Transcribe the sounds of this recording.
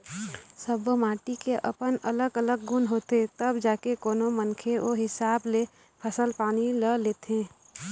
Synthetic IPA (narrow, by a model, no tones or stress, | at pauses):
səbomaːʈikeʔə̰pənələɡələɡːʊnɦoːt̪et̪əbd͡ʒaːkekoːnomənkʰeʔoɦɪsaːble | pʰəsəlpaːniləleːt̪ẽː